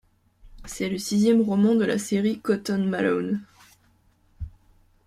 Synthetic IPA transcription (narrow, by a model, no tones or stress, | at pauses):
sɛləsizjɛmʁɔmɑ̃d̪əla̰seʁikɔt̪ɔnmalɔ̰n